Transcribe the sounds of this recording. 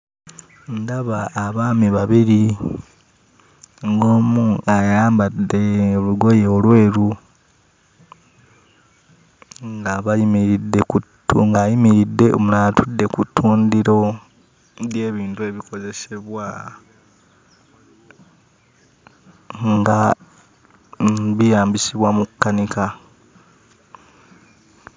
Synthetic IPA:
ndaβaːβaːmiβaβiɾi | ŋɡoːmuajaːmbadːe̞oluɡo̞jeolwe̞ːɾu | ŋɡaβajimiɾidːekutuŋɡajimiɾidːe̞omulaːtʰudːe̞kutʰːuːndiɾo̞ | βje̞ːβiːntue̞βiko̞ze̞se̞βwa | ŋɡa | βijaːmbisiβwamukːanika

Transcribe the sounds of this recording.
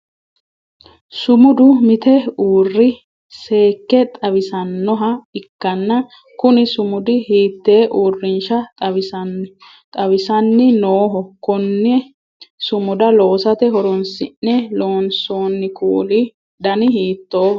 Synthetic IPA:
sʊmʊd̪ʊmɪt̪ɛuːrːɪ | se̞ːkːɛt̪ʼɐβɪsɐnːɔɦɐɪkːɐnːɐ | kʊnɪsʊmʊd̪ɪhiːt̪ːe̞ːʔuːrːɪnʃɐt̪ʼɐwɪɐ | t̪ʼɐwɪsɐnːɪnoːɦɔkɔnːɛ | sʊmʊd̪ɐloːsɐt̪ɛɦɔɾɔnsɪnːɛlo̞ːnso̞ːnːɪkuːlɪ | d̪ɐnɪɦiːt̪ːo̞ː

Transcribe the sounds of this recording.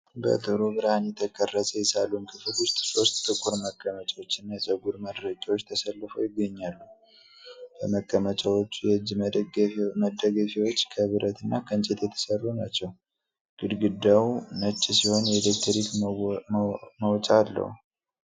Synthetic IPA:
bə̰t̪ʰʼɨɾubɨɾhanjɛt̪ʰəkʰərːəsəjɛsalːunkʰɨfɨlwʊst̪ʼso̞st̪t̪ʼːɨkʼːuɾməkʰʼːəmət͡ʃʼawot͡ʃːɪnːajɛt͡ʃʼəɡuɾməd̪ɾəd͡ʒʼawot͡ʃːt̪ʰəsəlːfojɪɡːəɲːalːu | b̥əməkʼːəmət͡ʃʼawot͡ʃːujɛd͡ʒ | məd̪əɡəfiwo̞t͡ʃːkʰəβɨɾʔət̪ɨnːakʰənt͡ʃʼet̪jɛt̪ʰə̥sərːunat͡ʃːɛw | ɡ̥ɨd̪ɡɨd̪ːawnət͡ʃʼːisiho̞njɛd̪ekt̪ʰəɾik | məwt͡ʃʼalːə̰hu

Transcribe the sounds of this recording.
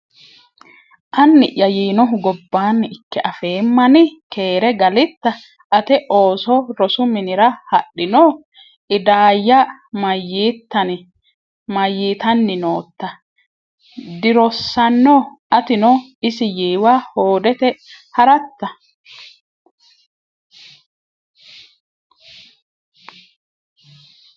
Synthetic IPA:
ʔɐnːɪʔːɐjiːnɔɦʊɡɔbːaːnːɪɪkːɛʔɐfe̞ːmːɐnɪke̞ːɾɛɡɐlɪt̪ːɐ | ʔɐt̪ɛʔo̞ːsɔɾɔsʊmɪnɪɾɐhɐɗːɪnɔː | ʔɪd̪aːjːɐmɐjːiːt̪ːɐnɪ | mɐjːiːt̪ɐnːɪnoːt̪ːɐ | d̪ɪɾɔsːɐnːɔ | ɐt̪ɪnɔɪsɪjiːwaːho̞ːd̪ɛt̪ɛhɐɾɐt̪ːɐ

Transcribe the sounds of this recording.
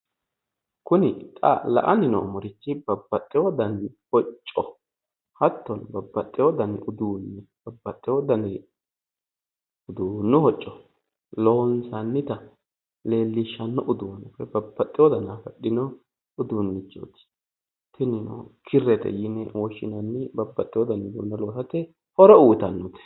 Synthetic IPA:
kʊnɪt̪ʼɐ̰lɐ̰ʔɐnɪnɔ̰mɔɾɪt͡ʃːɪbɐbːɐt̪ʼːɛwɔd̪ɐnhɔt͡ʃʼːɔ | hɐt̪ːɔnbɐbːɐt̪ʼːɛwɔd̪ɐnɪʔʊd̪uːnːɪb̥ɐbːɐt̪ʼːɛwɔd̪ɐnɛ | ʊd̪uːnːʊhɔt͡ʃʼːɔ | lɔnsɐnːɪt̪ɐ | le̞ːlːɪʃːɐnːɔʔʊd̪ʊwɐnʊfɛbɐbːɐt̪ʼːɪjwɔd̪ɐnafɐɗɪnɔ | ʊd̪uːnːɪt͡ʃːo̰t̪ɪ̥ | t̪ʰɪnɪnɔ̰kʰɪrːɛt̪ɛ̰jɪnɛwɔʃːɪnɐnːɪbɐbːɐt̪ʼːɪwɔd̪ɐnʊd̪ṵːnːɛloːsɐt̪ɛ | hɔɾɔuːt̪ɐnːɔt̪ɛ̥

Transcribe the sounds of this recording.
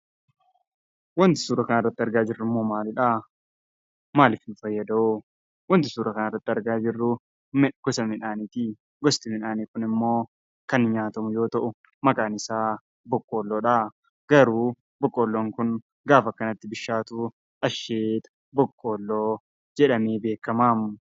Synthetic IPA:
wɐnt̪ɪ̥suːɾɐkɐnarːɐt̪ːɪɐɾɡaːd͡ʒɪrːʊmːo̞ːmaːlɪᶑa | maːlɪfnʊfɐjːɐd̪ɐʊ | wɐnt̪ɪsuːɾɐkɐnarːɐt̪ːɪɐɾɡaːd͡ʒɪrːʊ | mɡ̥ɔsɐmɪᶑaːnit̪iː | ɡɔst̪ɪmɪnaːniːkʊnɪmːo̞ː | kɐnɲaːt̪ɐmʊjo̞ːt̪ɐʔʊ | mɐkʼaːnɪsaː | bɔkʼːo̞ːlːoːᶑa | ɡ̥ɐɾuː | bɔkʼːoːlːoːŋkʊn | ɡaːfɐkːɐnɐt̪ːɪbɪʃːaːt̪ʊ | ɐʃːeːt̪ɐ̥ | bɔkʼːo̞ːlːo̞ː | d͡ʒɛᶑɐmeːbe̞ːkːɐmaːmʊ

